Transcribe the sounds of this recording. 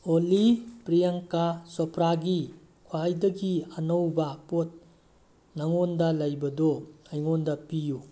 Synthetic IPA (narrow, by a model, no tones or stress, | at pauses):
olipɾijaŋkasɔpʰɾaɡi | kʰajdɐɡiɐnowbɐpot̚ | naŋondɐlɐjbɐdɔajŋondɐpiju